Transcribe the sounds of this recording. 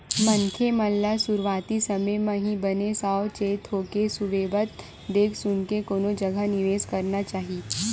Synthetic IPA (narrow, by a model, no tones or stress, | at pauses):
mənkʰemɐlːasʊɾʋaːt̪isəməjmãɦĩbənesaːt͡ʃeːt̪ɦoːkesʊʋeːbət̪̚ | d̪eːkʰsʊnkekoːnod͡ʒəɡʱanɪʋeːzkɐɾnat͡ʃaːɦi